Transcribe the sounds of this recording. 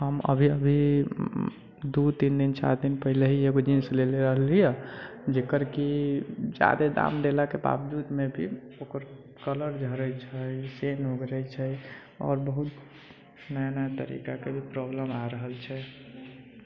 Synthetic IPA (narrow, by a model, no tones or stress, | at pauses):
ɦəmə̰bʱiəbʱi | d̪ut̪ind̪int͡ʃa̰ɾd̪inpəɦileɦieɡod͡ʒinsleleɾəɦlijɛd͡ʒekəɾkid͡ʒa̰d̪ed̪a̰mɖ̪elakeba̰bd̪ud̪mebʱiokəɾ | kələɾd͡ʒʱəɾəjt͡ʃʰəjsenɦoɡɾət͡ʃʰəj | ɔ̰ːɾbəɦut̪ | nəjanəjat̪əɾḭkakebʱipɾobləmaɾəɦəlt͡ʃʰɛ